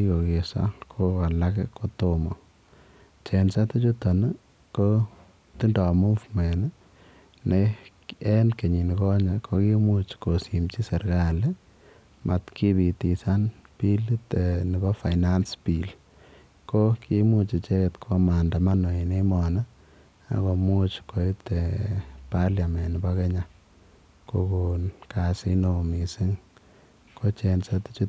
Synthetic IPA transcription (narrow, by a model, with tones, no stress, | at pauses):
i˦ko˨ke˨sa̰˦kʰo˦ka˨lakɛko˦to˦mo˨ | t͡ʃensa˦te˦t͡ʃo˦to˨n | ko˦ | ti˦ndɔ˨mu˦fmɛ˨n˦ | ne | ɛ˦nke˨ɲi˨n˨kɔ˦ɲa˨kʰo˦kimu˦t͡ʃko˨si˨mt͡ʃi˦sɛ˨ɾka˦le˦ | mʔa˨tkʰi˦bi˨ti˨sa˦npi˦li˦te˨nɪ˨bɔ˦fa˨ɪna˦nspi˨l | ko˦kʰi˦mu˦t͡ʃi˨t͡ʃɛ˦kɛ˨tkʰo˦ma˨nda˨ma˦no˨e˨ne˦mɔ˨na˦ | a̰˨ko˨mu˦t͡ʃkʰo˨i˦te˨pa˦lja˨mɛ˨nɪ˨ba˦kɛ˦ɲa˦ | ko˨ko˨nka˨si˧no˨mi˨sɪ˦ŋ | ko˦t͡ʃɛnsa˦tt͡ʃi˦